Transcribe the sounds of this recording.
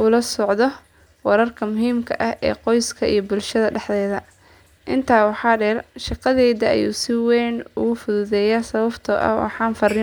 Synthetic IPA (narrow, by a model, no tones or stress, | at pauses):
ʔʊlɐsɔʕðɔ | wɐɾɐrkʰɐmʊɦiːmkʰɐʔɐhʔɛ̰ːqɔjskʰɐʔijɞbʊlʃɐðɐɖɛħðɛːðɐ | ʔɪnt̪ʰaːwɑħɑːɖɛrʃɑqɑðɛːðɐɐ̰jṵːsɪwɛːnʊ̰ɣʊfʊðʊðɛːjasɐβɐbt̪ʰɔ̰ːʔɐ̰wɑ̰ħɑːnfɐɾɪ